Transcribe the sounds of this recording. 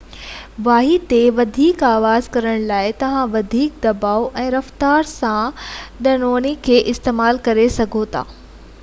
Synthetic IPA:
ʋaːɦit̪eʋɐd̪ʱiːkaːʋaːzkɐɾəɽ̃laːɪt̪ɐʋ̤ãʋɐd̪ʱiːk̚d̪ɐbaːoʔɛ̃ːɾɐft̪aːɾsãɗ̪ɐnoːnikʰeːʔɪst̪eːmaːlkɐɾesɐɡʱot̪ʰa̰ː

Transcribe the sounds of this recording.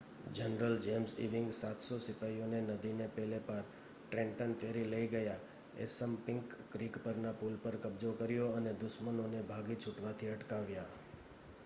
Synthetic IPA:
d͡ʒənɾəld͡ʒemzḭʋɪ̃ŋɡsat̪sosɪpaijonenəd̪inepɛlepaɾ | ʈɾẽɳʈənfʰeɾiləiɡəja | ḛsəmpɪ̃ŋkːɾikpəɾnapulpəɾkəbd͡ʒokəɾjoəned̪ʊʃmənonebʱaɡit͡ʃʰuʈʋat̪ʰiəʈkaʋja

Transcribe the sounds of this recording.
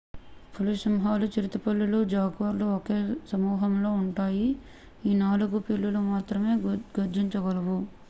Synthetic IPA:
pʰulusimɦaːlut͡ʃiɾit̪ɐpɐlːulud͡ʒaːɡʋɐɾluoke̞ːsɐmuːɦɐmlo̞ːuɳʈaːji | iːnaːluɡupilːulumaːt̪ɾɐme̞ːɡɐɾd͡ʒiɲt͡ʃɐɡɐlɐʋu

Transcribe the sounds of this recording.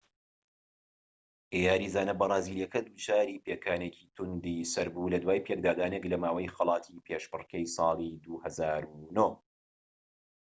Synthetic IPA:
ʔeːjaːɾiːzaːnɐbɐrˤɑːziːliɛkɐd̪uːd͡ʒaːɾiːpekʰaːnecʰiːt̪ʰund̪iːsɐɾbulɐd̪waːjpʰek̚d̪aːd̪aːneklɐmaːwɐjxɐlˠɑːt̪ʰiːpʰeʃbɨrkejsˤɑːlˠid̪uːhɐzaːɾuno

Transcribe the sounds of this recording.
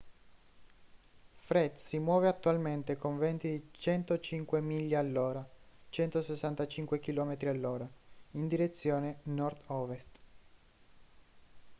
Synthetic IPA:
fɾɛd̪simwɔːveat̪ːualment̪ekoɱvɛnt̪id̪it͡ʃɛnt̪ot͡ʃiŋkwemiʎːaalːoːɾa | t͡ʃɛnt̪osesːant̪at͡ʃiŋkwekilɔːmet̪ɾialːoːɾaind̪iɾet̪sːjoːnenɔrd̪ɔːvest̪

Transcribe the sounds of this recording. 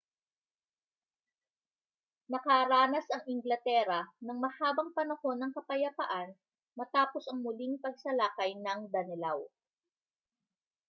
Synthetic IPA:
nɐkaɾaːnɐsɐŋɪŋɡlɐt̪ɛːɾɐnɐŋmɐhaːbɐŋpɐnɐho̞nɐŋkɐpɐjɐpɐʔan | mɐt̪aːpo̞sɐŋmʊliŋpɐɡ̚sɐlaːkɐjnɐŋd̪ɐnɪla̰w

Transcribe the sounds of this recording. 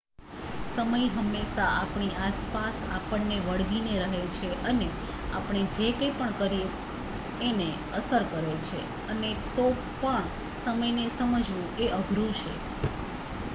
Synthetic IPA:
səməjɦəmːeʃaapɳ̃iʔaspasa̰pəɳːeʋəɽʋineɾəɦet͡ʃʰeʔəne | a̰pɳ̃ed͡ʒekəjpəɳkəɾieː | ne | əsəɾkəɾet͡ʃʰe | ənet̪o | pəɳ | səməjnesəməd͡ʒʋũeʔəɡʱɾũt͡ʃʰḛ

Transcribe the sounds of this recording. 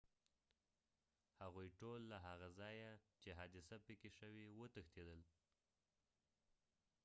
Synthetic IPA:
haɣujʈolːaɦaɣazɑjat͡ʃeɦɑd̪ɪsapəkeʃəwewət̪əxt̪ed̪əl

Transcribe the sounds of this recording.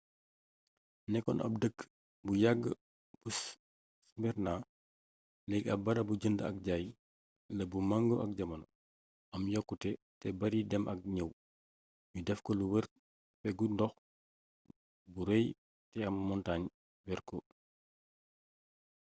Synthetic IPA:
nɛkːɔ̰nʔɐ̰p̚dəkː | bujaɡːə | b̥u | smbɛɾna | lɛɡɐbɐɾɐbuɟəndəɐ̰k̚ɟaːj | lɐbumaŋɡoʔɐk̚ɟɐmɐn | ɐmjɔkːutɛ | tɛbɐɾidɛmʔɐk̚ɲəw | judɛfkɔluwəɾ | fɛɡundɔx | buɾɛj | tɛɐmːɔntaɲ | wɛɾkɔ

